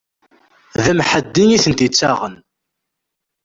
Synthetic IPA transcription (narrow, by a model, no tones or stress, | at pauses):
ðæmħəd̪ːiŋiθənt̪it͡sːaʁən